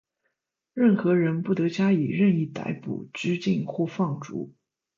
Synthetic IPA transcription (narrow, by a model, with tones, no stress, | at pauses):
ɻə˥˩nxɤ˧˥ɻə˧˥npu˥˩t̪ɤ˧˥t͡ɕja˥i˨˩ɻə˥˧ni˥˩t̪a̰˧˥ɪpṵ˨˩ʈ͡ʂɻ̩˥t͡ɕi˥˧nxwɔ˥˧fɑ˥˩ŋʈ͡ʂṵ˧˥